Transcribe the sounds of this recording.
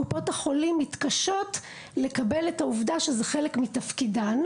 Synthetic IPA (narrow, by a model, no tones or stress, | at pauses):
upo̞thaχo̞limːitkaʃo̞t | le̞kabe̞letauvdaʃezeχe̞lekmitafkidan